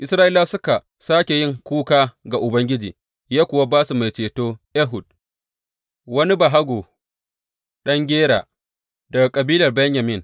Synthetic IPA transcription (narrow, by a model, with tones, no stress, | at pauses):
ʔɪ˨˦sɾaː˦ʔiː˦laː˦sʊ˦ka˨ | saː˦kʲe˨jɪ˦˨ŋkʷuː˦kaː˦ɡa˨ʔʊ˨bɐ˦ŋɡʲɪ˦d͡ʒḭː˨ | jaː˦kʷʊ˨wa˦baː˦su˨ma˨jt͡ʃeː˨toː˦ʔɛ˦ɦʊ˨d̚ | wɐ˦ni˦ba˨ɦa˦ɡʷoː˨ | ɗɐ˦ŋɡʲeː˦ɽaː˨ | dɐ˨ɡa˨kʼɐ˨biː˦lɐ˨rbɛ˦ɲja˨mɪ˦˨n